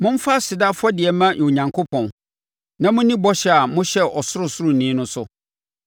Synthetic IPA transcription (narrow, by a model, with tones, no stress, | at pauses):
mʊ̃˦m˦fa˦sɪ˨da˦fɔ˦dɪ˨ɛ˨mã˦ʔɔ̃˨ɲã˨ŋkʰo˦pʰɔ̃˨n | nã˦mʊ̃˦nĩ˦bɔ˦ɕɛ˦a˨mʊ̃˦ɕɛ˦ʔɔ˨sʊ˦ɾʊ˨sʊ˦ɾʊ˨nĩ˦nʊ̃˦sʊ˦